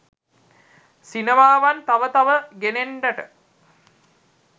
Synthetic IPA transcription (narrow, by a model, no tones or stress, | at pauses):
sinemaːʋant̪aʋət̪aʋəɡeneɳɖɐʈə